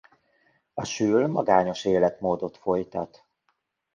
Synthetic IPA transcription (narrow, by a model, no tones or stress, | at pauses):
ɒʃyːlmɒɡaːɲo̞ʃeːlɛt̪moːd̪o̞t̪fo̞jt̪ɒt̪